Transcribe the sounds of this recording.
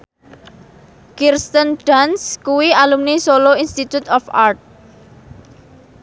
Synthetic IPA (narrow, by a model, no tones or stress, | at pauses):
kirst̪ənɖ̥anskuwialumnisoloinst̪it̪ut̪ɔfa̰rt̪̚